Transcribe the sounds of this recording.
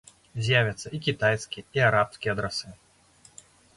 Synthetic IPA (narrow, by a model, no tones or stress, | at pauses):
zʲjavʲɐt̪sːɐikʲit̪ajskʲiiaɾapskʲiɐd̪ɾasɨ